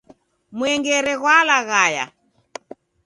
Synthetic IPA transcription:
mwɛŋɡɛɾɛɣwalaɣaja̰

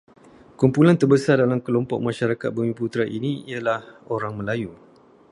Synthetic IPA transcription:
kumpulant̪ərbəsardalamkəlɔmpɔk̚mãʃaɾakat̪̚bəmĩput̪ɾaʔiniiəlahoɾaŋmə̃laju

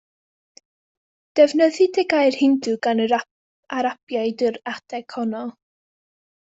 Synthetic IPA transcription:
d̥ɛvnəðɨdɛɡajr̥hɪndɨɡanə | aɾapjajdəɾatʰɛkʰɔnɔ

